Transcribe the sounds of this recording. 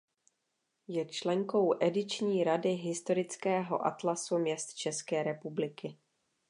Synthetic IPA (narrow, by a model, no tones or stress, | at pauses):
jɛt͡ʃlɛŋko̞wʔɛdɪt͡ʃɲiːɾadɪɦɪst̪o̞ɾɪt͡skɛːɦo̰ʔa̰t̪lasumɲɛst̪t͡ʃɛskɛːɾɛpublɪkɪ